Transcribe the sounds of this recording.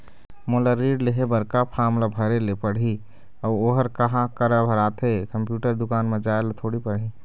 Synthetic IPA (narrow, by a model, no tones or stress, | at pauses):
moləɾiɖleɦebəɾkapʰamlabʱəɾelepəɽ̤ɦi | əuoɦəɾkəɦãkəɾəbʱəɾat̪ʰekəmpjuʈəɾd̪ʊkaːnmed͡ʒaelet̪ʰoɽipəɽ̤ɦi